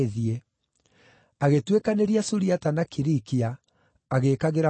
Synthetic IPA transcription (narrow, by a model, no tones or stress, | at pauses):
ðie | aɣetwekaneɾiasuɾiatanakiɾikiaː | ɣekaɣeɾa